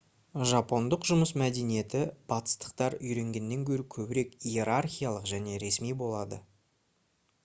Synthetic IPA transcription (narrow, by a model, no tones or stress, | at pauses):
ʒɑpo̞nd̪əqʒʊməsmæd̪e̞nije̞t̪ɪb̥ɑt̪ə̥st̪ə̥qt̪ɑɾʏjɾe̞ŋɡʲe̞nːe̞ŋkʲʰɵɾɪkʲʰɵbɪɾe̞kije̞ɾarχʲijalˠəqʒæne̞ɾe̞smijbo̞lˠɑd̪ə̰